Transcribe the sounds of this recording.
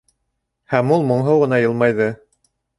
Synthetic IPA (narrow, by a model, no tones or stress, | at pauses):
hæmulˠmŏɴɦɤwʁɤ̆nɑjɤ̆lˠmɑjðɤ